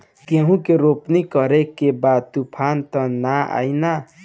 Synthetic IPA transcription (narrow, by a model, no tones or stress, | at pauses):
keɦũkeɾopnikʌɾekebat̪upʰant̪ʌnaa̰jna